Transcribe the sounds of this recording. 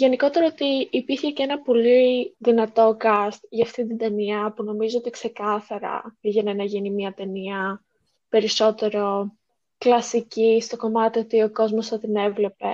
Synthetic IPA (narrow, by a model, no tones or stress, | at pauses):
ʝe̞niko̞t̪e̞ɾoot̪iːpiɾçe̞ce̞nɐpo̞liðinɐt̪o̞kɐst̪ʝɐːft̪ind̪id̪e̞niɐpuno̞mizoo̞t̪ikse̞kɐθɐɾɐ̰iʝenenɐʝinimiɐt̪e̞niɐ | pe̞ɾiso̞t̪e̞ɾo̞ | klɐsicist̪o̞ko̞mɐt̪io̞t̪io̞ko̞zmosθɐt̪ine̞vle̞pe̞